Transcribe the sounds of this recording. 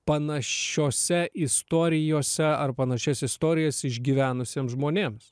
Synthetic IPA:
pɐnɐʃoːsʲɛʔɪst̪oːɾʲɪjoːsʲɛɐrpɐnɐʃʲɛːsʲɛɪst̪oːɾʲɪjɛsʲɪʒʲɡʲiːʋʲæːnʊsʲeːmszʒmoːnʲeːms

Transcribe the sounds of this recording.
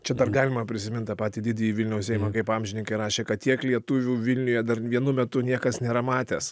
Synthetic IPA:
t͡ʃʲɛd̪ɐrɡɑːlʲɪmɐpʲɾʲɪsʲɪmʲɪnt̪ɑpɑːt̪ʲiːd̪ʲɪd̪ʲɛjiːʋʲɪlʲnʲɛʊssʲɛɪmɑkɐɪpɑːmʲʒʲɪnʲɪŋkɐɪɾɑːʃʲeːkɐt̪t̪ʲiɛklʲiɛt̪ʊʋʲuːʋʲɪlʲnʲʊjɛd̪ɐrʋʲiɛnʊmʲɛt̪ʊnʲiɛkɐsnʲeːɾɐmɑːt̪ʲeːs

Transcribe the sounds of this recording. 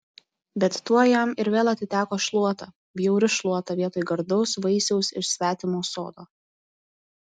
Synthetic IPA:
bʲɛt̪ːuɔjɛmɪɾʋʲeːlˠɐt̪ʲɪt̪ʲæːkoːʃlˠuɔt̪ɐ | bʲjɛʊɾʲɪʃlˠuɔt̪ɐʋʲiɛt̪oːjɡɐɾd̪ɔʊsʋɐɪsʲɛʊsɪʃsʲʋʲæːt̪ʲɪmoːso̰ːd̪oː

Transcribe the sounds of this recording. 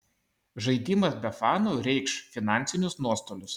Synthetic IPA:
ʒɐɪd̪ʲiːmɐsbʲɛfɑːnoːɾʲɛɪkʃfʲɪnɑˑnʲtsʲɪnʲʊsnuɔst̪oːlʲʊs

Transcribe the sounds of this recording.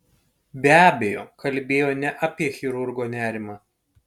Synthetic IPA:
bʲæːbʲejoːkɐlʲbʲeːjoːnʲɛʔɐpʲiɛxʲɪɾʊɾɡoːnʲæːɾʲɪmɑː

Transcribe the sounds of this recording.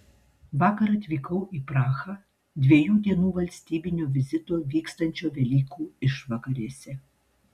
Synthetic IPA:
ʋɑːkɐɾɐt̪ʲʋʲiːkɐʊʔiːpɾɑːxɐː | d̪ʲʋʲiɛjuːd̪ʲiɛnuːʋɐlʲsʲt̪ʲiːbʲɪnʲoːʋʲɪzʲɪt̪oːʋʲiːkst̪ɐnʲt͡ʃʲoːʋʲɛlʲiːkuːɪʃʋɐkɐɾʲiːsʲɛ

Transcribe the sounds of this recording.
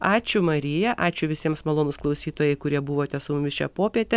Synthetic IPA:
ɑːt͡ʃʲʊmɐɾʲɪjɛʔɑːt͡ʃʲʊʋʲɪsʲiɛmsmɐlˠoːnʊsklˠɐʊsʲiːt̪oːjɛɪkʊɾʲiɛbʊʋoːt̪ʲɛsʊmʊmʲɪsʃʲæ̰ːpoːpʲiɛt̪ʲɛ

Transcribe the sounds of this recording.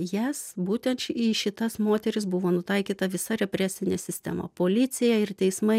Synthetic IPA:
jæsbuːt̪ʲɛnt̪t͡ʃʲiːʃʲɪt̪ɐsmoːt̪ʲɛɾʲɪsbʊʋoːnʊt̪ɐɪkʲiːt̪ɐʋʲɪsɐɾʲɛpʲɾʲæsʲɪnʲeːsʲɪsʲt̪ʲɛ̰mɐ̰poːlʲɪsʲɪjɛɪrt̪ʲɛɪsmɐɪ

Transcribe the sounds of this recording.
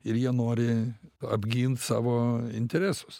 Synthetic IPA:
ɪɾjiɛnoːɾʲɪɐ̰bʲɡʲiːnt̪sɑ̰ːʋoːɪ̰nʲt̪ʲɛɾʲæsʊ̥s

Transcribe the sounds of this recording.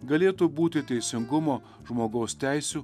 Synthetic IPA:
ɡɐlʲeːt̪uːbuːt̪ʲɪt̪ʲɛɪsʲɪŋɡʊmoː | ʒmoːɡɐʊst̪ʲæˑɪsʲuː

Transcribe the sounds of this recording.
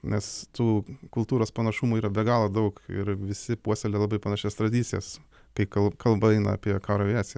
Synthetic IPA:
nʲɛst̪uːkʊlˠt̪uːɾoːspɐnɐʃumuiːɾɐbʲɛɡɑːlˠod̪ɐʊkɪ̰ɾʋʲɪsʲɪpuɔsʲɛlʲelˠɐbɐɪpɐnɑːʃʲɛst̪ɾɐd̪ʲiːt̪ʲɪjɛ̰s | kɐɪkɐlˠkɐlˠbɐɛɪnɐ̰ɐ̰pʲiɛkɑːɾɐʋʲiæːsʲj

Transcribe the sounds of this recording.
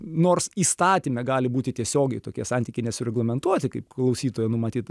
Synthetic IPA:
noːrsiːst̪ɑːt̪ʲiːmʲɛɡɑːlʲɪbuːt̪ʲɪt̪ʲiɛsʲoːɡʲɛɪt̪oːkʲiɛsɑnʲt̪ʲiːkʲɛɪnʲɛsʊɾʲɛɡlˠɐmʲɛnt̪uɔt̪ʲɪkɐɪp̚klˠɐʊsʲiːt̪oːjɛnʊmɐt̪ʲiːt̪

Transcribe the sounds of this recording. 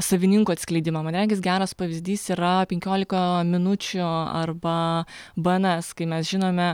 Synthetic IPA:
sɐʋʲɪnʲɪŋkʊːɐt̪ʲsʲklʲɛɪd̪ʲɪmɐmɐnɾʲæŋʲɡʲɪsɡʲæːɾɐspɐʋʲɪzʲd̪ʲiːsiːɾɐpʲɛŋʲkʲoːlʲɪkɐmʲɪnʊt͡ʃʲʊɐ̰rbɐ | bɐnɐskɐɪmʲɛsʒʲɪnoːmʲɛ

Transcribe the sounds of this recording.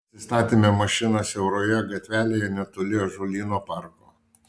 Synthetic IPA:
sʲɪst̪ɑːt̪ʲimʲemɐʃʲɪnɐsɛʊɾoːjɛɡɐt̪ʲʋʲæːlʲeːjɛnʲɛt̪ʊlʲɪjoʒolʲiːnoːpɐɾko̰ː

